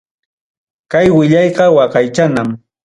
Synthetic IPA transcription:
kajwɪʎɑjqɑwɑqɑjt͡ʃanam

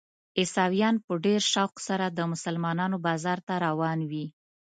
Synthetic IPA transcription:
ɪsɑwijɑnpəɖeɾʃawksaɾad̪əmʊsalmɑnɑnobɑzɑɾt̪aɾawɑnwi

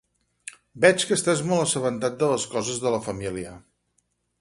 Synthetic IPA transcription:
bɛt͡ʃkəst̪aezmɔlˠəsəβənt̪at̪̚d̪ələskɔzəzðələfəmiliə

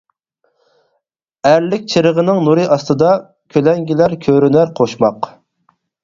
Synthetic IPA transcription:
æɾlɪk̚ʲt͡ʃʰɨɾəʁənɨŋnuɾɨʔɑst̪ɨd̪ɑ | kʲʰølɛŋɡʲilæɾkʲʰøɾynæɾqʰoʃmɑq

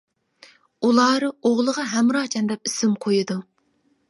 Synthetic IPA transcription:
ulˠɑːɾɨoʁlˠəʁɑɦɛmɾɑːt͡ʃʰɛnd̪ɛpisɪmqʰojud̪u

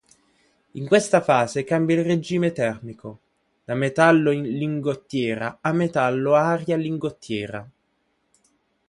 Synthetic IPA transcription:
iŋkwest̪afaːzekambjailred͡ʒiːmet̪ɛrmikʰo | d̪amet̪alːoiliŋɡot̪ːjɛːɾa̰amːet̪alːoaːɾjaliŋɡot̪ːjɛːɾa

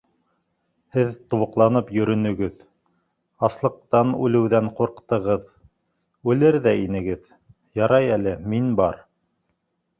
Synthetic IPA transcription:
hɘðt̪ŏwɤ̆qlˠɑnɤpjɵ̆ɾɵ̆nɵ̆ɡɘð | ɑslˠɤ̆q̚t̪ɑnʉlɘ̆wðæɴquɾqt̪ɤ̆ʁɤð | ʉlɘɾðæinɘ̆ɡɘð | jɑɾɑjælɘminbɑɾ

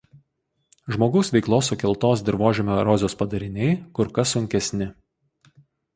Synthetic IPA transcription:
ʒmoːɡɐʊsʋʲɛɪklˠoːs̬ʊkʲɪlˠt̪oːs̬d̪ʲɪɾʋoːʒʲɛmʲoːɾɔzʲoːspɐd̪ɐɾʲɪnʲɛɪkʊɾkɐsʊŋʲkʲɛsʲnʲɪ

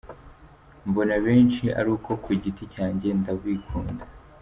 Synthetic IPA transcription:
mbo̞naβe̞ːnt͡ʃiʔa̰ɾuːko̞kʰuɟiticaːɲɟe̞ndaβwiːkʰuːnda

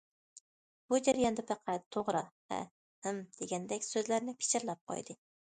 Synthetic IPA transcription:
b̥ʊd͡ʒaɾijɒnd̪apɑqʰɑt̪ʰːoʁɾava̰ | hɪmd̪̥eɡʲand̪ɛkʲsɵzlaɾnɪpʰɪ̥t͡ʃɪɾlap̚qʰɒ̰jd̪ɪ

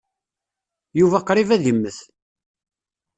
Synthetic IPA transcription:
juvæqːɾivæðimːəθ

